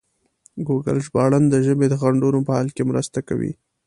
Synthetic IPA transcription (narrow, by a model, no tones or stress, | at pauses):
ɡuɡa̰lʒbɑɽand̪əʒəbed̪əɣaɳɖunopəhɑlkemɾə̰st̪aka̰wḭ